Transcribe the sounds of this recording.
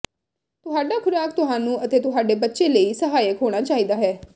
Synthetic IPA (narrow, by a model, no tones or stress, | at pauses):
t̪ʊɦaːɖaːkʰʊɾaːk̚t̪ʊɦãːnũːʔət̪eːt̪ʊɦaːɖeːbətːʃeːləiːsəɦaːjəkɦoːɽ̃aːt͡ʃaːiːd̪aːɦɛː